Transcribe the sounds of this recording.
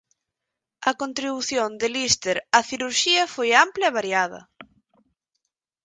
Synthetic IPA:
ɐkont̪ɾiβuθjond̪ɪlist̪eɾaθiɾuɾʃiɐfojamplɐɛβ̞aɾjað̞ɐ̰

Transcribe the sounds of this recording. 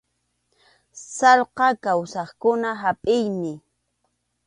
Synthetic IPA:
sɑlqɑkawsɑχkʊnaɦapʼɪjmɪ

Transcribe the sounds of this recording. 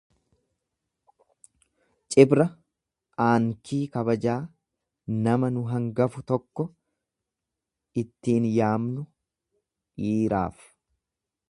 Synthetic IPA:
t͡ʃʼɪbɾɐ | aːŋkʰiːkɐbɐd͡ʒaː | nɐmɐnʊɦɐŋɡɐfʊt̪ɔkːɔ | ɪt̪ːiːnjaːmnʊ | iːɾa̰ːf

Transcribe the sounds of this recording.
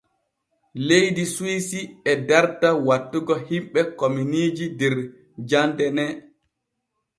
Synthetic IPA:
lejdisuwisiɛdaɾtawatːuɡɔhimɓɛkominid͡ʒidɛɾ | d͡ʒandɛnɛ

